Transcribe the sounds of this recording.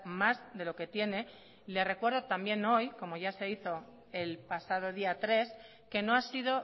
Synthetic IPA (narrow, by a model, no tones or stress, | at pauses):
mazðe̞lo̞ke̞t̪je̞ne̞ | le̞re̞kwe̞ɾð̞o̞t̪ambje̞no̞jko̞mo̞ʝase̞iθo̞ | e̞lpasað̞o̞ð̞iat̪ɾe̞s | ke̞no̞asið̞o̞